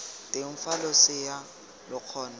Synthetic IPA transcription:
tʼɪɱ̩falʊsɪja | lʊq͡χʰɔːna

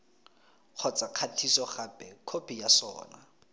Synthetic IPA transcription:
q͡χʰɔt͡sʼaq͡χʰatʰisɔχapʼɛkʰopʰijasɔ̰ːna

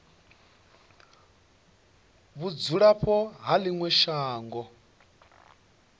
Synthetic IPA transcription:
βud͡zuɺaɸʰɔɦaliŋwɛʃaːŋɡɔ

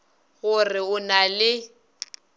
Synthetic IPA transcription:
ɣʊrɪʊnalɪ

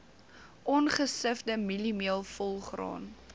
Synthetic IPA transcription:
ʔɔnχəsəfdəmilimiəlˠfɔlˠχrɑ̰ːn

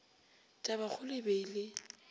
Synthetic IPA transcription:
t͡ʃʼabak͡xʰʊlɪbelɪ

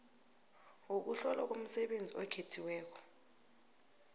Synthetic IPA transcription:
uk̬uɬɔlak̬om̩sɛɓend͡zʱiɔkʰetʰiwɛːk̬ɔ̥

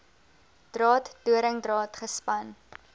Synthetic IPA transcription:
d̥rɑːtduəɾəŋdrɑːtχəspɐn

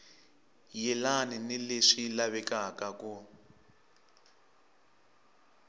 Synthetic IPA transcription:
jɛlaninileʂilaβɛkakaku

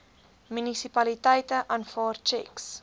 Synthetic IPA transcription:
mynisipɐlitəjtəʔɐnfɑːrt͡ʃɛks

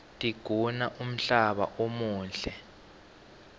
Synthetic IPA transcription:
tʼiɡ̥ʱunaʔum̩ɬaɓa̰ʔomuːnɬɛ

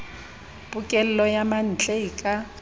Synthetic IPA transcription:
pʼukʼɛlɛlɔjaman̩t͡ɬʼɛkʼa

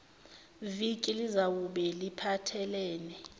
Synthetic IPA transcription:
vikʼilizawuɓɛlipʰatʰɛlɛːnɛ

